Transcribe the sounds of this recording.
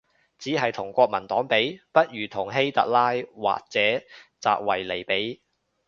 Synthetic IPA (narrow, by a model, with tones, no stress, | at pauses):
t͡siː˨˥ɦɐ˨jt̪ʰʊ˨˩ŋkʷɔː˧k̚mɐ˨˩nt̪ɔː˨˥ŋpe˨˥jpɐ˥t̚ɥyː˨t̪ʰʊ˨˩ŋɦe˥jt̪ɐ̰˨˥k̚laː˥jwa̰ː˨k̚t͡sɛː˨˥t͡sa̰ː˧k̚wɐ˨˩jle˨˩jpe˨˥j